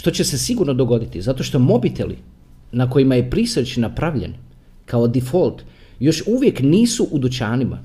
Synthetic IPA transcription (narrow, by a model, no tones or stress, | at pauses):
ʃt̪o̞t͡ɕe̞se̞siɡuɾnod̪o̞ɡo̞d̪it̪izat̪o̞ʃt̪o̞mo̞bit̪e̞̰lḭ | nako̞jimaje̞pɾiset͡ɕinapɾaʋʎḛn | kao̞d̪ifolˠt̪ | jo̞ʃuʋje̞kniːsuʔud̪ut͡ɕaːnima̰